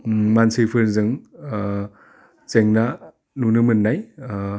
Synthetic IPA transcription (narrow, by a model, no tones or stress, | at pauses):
mansɯpʰɯɾzɯŋ | t͡seŋna | nunɯmɯnːaj